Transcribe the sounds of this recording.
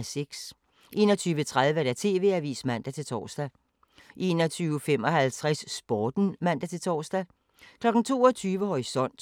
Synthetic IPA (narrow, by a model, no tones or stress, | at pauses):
seɡ̥s | ʔe̝̰ːnɒ̽t͡sʰyːʋət͡sʰʁað̞ˠʋəæd̥æt͡sʰe̝ːʋe̝̰ːæʋḭːsmæn̰d̥æt͡sʰe̝lt͡sʰɒ̰ːsd̥æ | ʔe̝ːnɒt͡sʰyːʊəfem̰ɒ̽ɦælt͡sʰʁasːb̥ɒːd̥n̩mæn̰d̥æt͡sʰe̝lt͡sʰɒ̰ːsd̥æ | kʰlɒ̽ɡ̥n̩t͡sʰo̝̰ːɒt͡sʰyːʋəhɒʁisɒ̽n̰d̥